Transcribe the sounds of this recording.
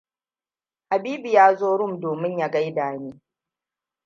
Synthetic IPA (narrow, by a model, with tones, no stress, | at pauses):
ha˨biː˦bi˨jaː˦zoː˦ɽʊ˦˨mdoː˨mɪ˦ɲja˦ɡa˦jdaː˨neː˦